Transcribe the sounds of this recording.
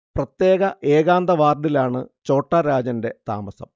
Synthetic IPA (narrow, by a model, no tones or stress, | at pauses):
prɐt̪je̞ːɣɐʔe̞ːɣaːnd̪ɐʋaːrɖilaːɳɨt͡ɕo̞ːʈːaɾaːd͡ʑɐnde̞t̪a̰ːmɐsɐ̰m